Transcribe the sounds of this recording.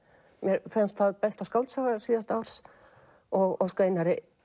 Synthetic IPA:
mjɛɾfɪnst̪θaðpɛst̪askawlt̪savaɾsiːðast̪aːwɾ̥s | ɔɣɔskeːjnaɾɪ

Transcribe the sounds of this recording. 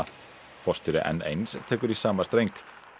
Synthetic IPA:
fɔst̪ʏɾɪ̰ʔɛ̰nḛjnst̪ʰɛːkʏɾisaːmast̪ɾejŋk

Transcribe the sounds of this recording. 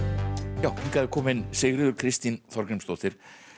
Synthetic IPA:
jaːwikaːðɪkʰɔːmɪnsɪɣɾɪðʏɾkʰɾɪst̪inθɔɾkɾɪmst̪oːwt̪ɪɾ̥

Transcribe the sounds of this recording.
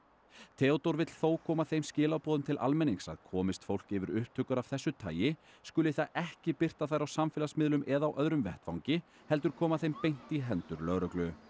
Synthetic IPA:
t̪ʰɛːɔt̪owɾvɪt̪l̥θoːwkʰɔːmaθejmscɪːlawpɔːðʏmt̪ʰɪlʔa̰lmɛnːiŋsa̰ðkʰɔːmɪst̪fowl̥cɪvɪɾʏhp̚t̪ʰʏkʏɾav̥θɛsːʏt̪ʰa̰ːjɪ | skʏlɪθaðɛhcɪpɪr̥t̪aθajɾawsamfɪːlasmɪðlʏmʔɛðawʔœðɾʏmvɛht̪fa̰wŋcɪ | hɛlt̪̬ʏɾ̥kʰɔːmaθejmpejn̥t̪iɦɛnt̪ʏɾlœɣɾœklʏ

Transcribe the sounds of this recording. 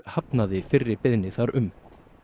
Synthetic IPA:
hap̪naðɪfɪrːɪɾpɪðnɪθaɾʏm

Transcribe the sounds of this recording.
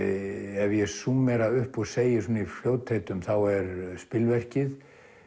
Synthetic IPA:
ɛvjɛsumɛɾaʏhpɔɣseːjɪsoːnaifljoːwt̪ʰejt̪ʏmθawɛɾspɪlvɛr̥cɪð

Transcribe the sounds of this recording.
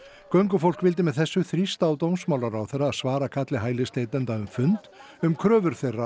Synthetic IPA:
kœɥŋkʏfowl̥kvɪlt̪̬ɪmɛðθɛsːʏθɾist̪aːwt̪owmsmaːwlaɾawθɛraːðsvaːɾakʰat̪lɪɦaːjlɪst̪eːjt̪ɛnt̪aʏmfʏnt̪ | ʏmkʰɾœːvʏɾ̥θerːa

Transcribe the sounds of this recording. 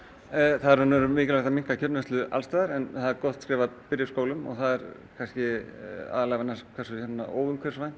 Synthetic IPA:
θaðɛɾhanːɛɾʏmɪːcɪlvaht̪amiŋ̥kacʰœɾnɛst̪ʏʔa̰lst̪ajðaɾɛnθaðɛɾkɔht̪skɾɪːvapɪɾjɪskoːwlʏmɔ̰ɣθaðɛɾ | kʰanscɪa̰ːðalaɣavɛnaskʰvɛsʏçɛt̪nːa̰o̰ːwvʏmkʰvɛɾ̥svajn

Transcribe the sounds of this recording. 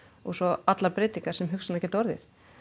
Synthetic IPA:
ɔɣsɔat̪laɾpɾɪːt̪iŋkaɾ̥sɛmɦʏksanɛcɛt̪ɔɾðɪ̰ɾ̥

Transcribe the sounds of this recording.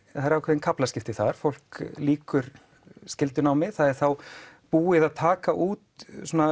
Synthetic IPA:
aɾawkʰɛðɪnkʰaplaskcɪft̪ɪθaɾ̥fowl̥kliːkʏɾ | scɪlt̪ʏnawmɪθaðɛɾ̥θawpuːɪðaðt̪ʰaːkaʔuːt̪sɔna

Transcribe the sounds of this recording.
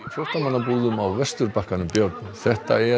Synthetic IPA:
fjɔrt̪amanːapuːðʏmawvɛst̪ʏɾpahkanʏmpjœɾt̪̚nʏθɛht̪a̰ɛ

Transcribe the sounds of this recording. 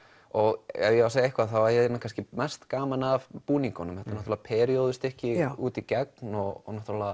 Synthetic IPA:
ɔɣɛ̰jɛawseːjaehkvaðθawvaɾjɛɛnnakanscɪmɛst̪kaːmanavpuːniŋkɔnʏmhɛt̪anɔht̪ɾvðapʰɛːɾioðʏst̪ɛhcɪuːt̪icɛk̚nɔɣɔnɔht̪ɾla

